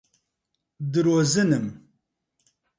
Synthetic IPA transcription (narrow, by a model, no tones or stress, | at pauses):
d̪ɨɾozɨnɨm